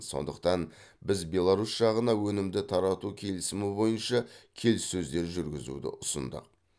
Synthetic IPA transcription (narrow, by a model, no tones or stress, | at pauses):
so̞̰nd̪əq̚t̪ɑn | bɪzbe̞lˠaɾusʒ̥ɑʁənɑwɵnɪmd̪ɪt̪ʰɑɾɑt̪ukʲʰe̞lɪsɪmɪbo̞jənʃɑkʲʰe̞lsːɵzd̪e̞ɾʒʏɾɡʲɪzṵd̪ɪ̰ʔʊsə̰nd̪ə̰q̚